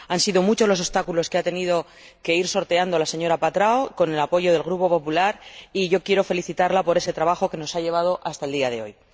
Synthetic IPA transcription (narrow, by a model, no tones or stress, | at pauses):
ansiðo̞mut͡ʃolo̞so̞st̪akulo̞ske̞at̪e̞nið̞o̞ | ke̞iɾso̞ɾt̪e̞and̪o̞lase̞ɲo̞ɾapat̪ɾaoko̞ne̞lapo̞ʝo̞ð̞e̞lɣ̞ɾupo̞po̞pulaɾiʝo̞kje̞ɾo̞fe̞liθit̪aɾlapo̞ɾe̞se̞t̪ɾaβ̞axo̞ke̞no̞saʎe̞β̞að̞o̞ʔast̪ae̞ld̪iaðe̞o̞̰j